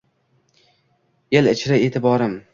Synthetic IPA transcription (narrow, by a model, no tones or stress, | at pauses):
elɪt͡ʃʰɾɪet̪ʰɪbɒɾɪm